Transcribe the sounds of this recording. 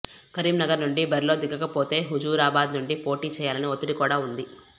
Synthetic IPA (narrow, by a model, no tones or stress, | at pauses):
kɐɾiːmnɐɡɐɾnuɳɖibɐɾilo̞ːd̪iɡːɐkɐpoːt̪e̞ːɦud͡ʒuːɾaːbaːd̪nuɳɖipo̞ːʈiːt͡ʃɛːjaːlɐniot̪iɽikuːɽaːund̪i